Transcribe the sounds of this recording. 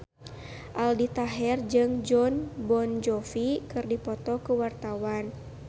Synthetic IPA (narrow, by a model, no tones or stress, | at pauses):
ʔaldit̪aɦɛrd͡ʒɨŋd͡ʒɔnbɔnd͡ʒɔfikɨrdipɔt̪ɔkəwart̪awan